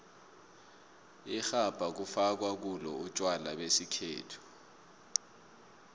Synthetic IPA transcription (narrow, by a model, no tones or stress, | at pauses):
ixab̥ʱak̬ufak̬wak̬ulɔut͡ʃʼwalaɓesikʰḛːtʰu̥